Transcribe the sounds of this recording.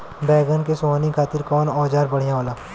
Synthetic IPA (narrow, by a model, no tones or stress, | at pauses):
bɛːɡənkesoːɦnikʰaːt̪ɪɾkɔːnɔːd͡ʒaːɾbɐɽ̤ijãoːlaː